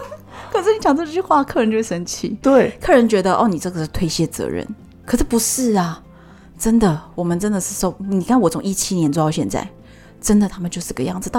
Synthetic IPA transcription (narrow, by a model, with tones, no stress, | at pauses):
kʰə˨˩ʂɻ̩˥˩ni˧˥t͡ɕjɑ˨˩ŋt͡st͡ɕy˥˩xwa˥˨kʰɤ˥˩ə˧nt͡ɕo˥˧ʊʂɻ̩˥˩ʂə˧˥nt͡ɕʰḭ˨˩˦t̪we˥˩ɪkʰɤ˥˩ɻə˧˥nt͡ɕɥɛ˧˥d̪ə˧ʔɔ̰˥˩ni˨˩ʈ͡ʂɤ˥˩ɡə˨˩ʂ̩˥˧t̪ʰwe˥˧ɪɕjɛ˥t͡sɤ̰˧˥ɻə̰˧˩n | kʰɤ˨˩ʂ̩˥˩pu˧˥ʂɻ̩˥˩ɐ˩ | ʈ͡ʂə˥nd̪ə˨wɔ˨˩mə˦nʈ͡ʂə˥nd̪ə˨ʂɻ̩˥˧ʂo˥˩ʊni˨˩kʰa˥˩nwɔ˨˥t͡sʰʊ˧˥ŋi˥˩t͡ɕʰi˥njɛ˧˥nt͡swt̪ɑ˥˧ʊɕjɛ˥˧nt͡sa̰˥˩ɪ | ʈ͡ʂə˥nd̪ə˨t̪ʰa˥mə˨nt͡ɕo˥˧ʊʂɻ̩˥˩˧ɡə˧jɑ˥˩ŋd͡zɹ̩˩t̪a˥